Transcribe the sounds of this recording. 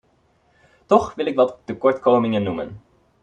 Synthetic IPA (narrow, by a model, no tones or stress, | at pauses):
tɔχʋɪlɪkʋɑtdəkɔɹtkoːmɪŋənːumə̰n